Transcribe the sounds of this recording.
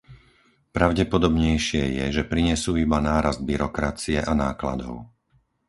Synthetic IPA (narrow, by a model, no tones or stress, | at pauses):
pɾaʊɟɛpɔd̪ɔbɲɛjʃɪɛjɛ̰ʒɛpɾiɲɛsuːibanaːɾazd̪̚biɾɔkɾat͡siɛʔanaːkla̰d̪ɔ̰ʊ